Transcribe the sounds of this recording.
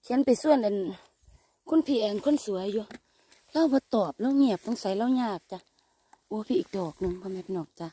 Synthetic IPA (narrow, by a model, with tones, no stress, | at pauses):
kʰi˨˦ənpa˨jsu˧˨ənʔa˨n | kʰnpʰiː˧˩ʔa˨nkʰo˧˥˨nsu˨˦əjːuː˧ | la˧˥˨wbɔː˧˦t̪ɔː˨˩p̚la˧˥˨wŋi˧˩əp̚t̪ɔ˧˦ŋsa˨˦jla˧˥˩wɲaː˧˩k̚t͡ɕa˧˦ | ʔu˧˦pʰiː˧ʔiː˨k̚dɔː˨˩k̚nɯ˧˦ŋpʰɔ˧mɛ˧˦p̚nɔː˨˩k̚t͡ɕa˧˦